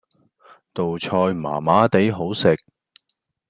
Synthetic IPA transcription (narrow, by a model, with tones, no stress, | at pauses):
t̪o˨wt͡ʃʰɔː˧jma̰ː˨˩maː˨˥t̪e˨˥jɦo˨˥wsɪ˨k̚